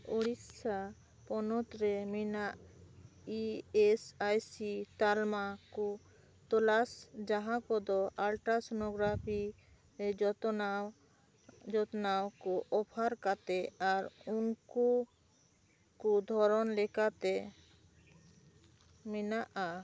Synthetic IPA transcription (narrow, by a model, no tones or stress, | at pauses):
uɽit̪sa | pɔnɔt̪ɾɛminaʔ | iesajsit̪almakɔ | t̪ɔlasd͡ʒaɦãkɔd̪ɔʔalʈasɔnɔɡɾapʰi | d͡ʒɔt̪nawkɔʔɔpʰaɾkat̪ɛaɾunku | kud̪ʱɔɾɔnlɛkat̪ɛ | minaʔa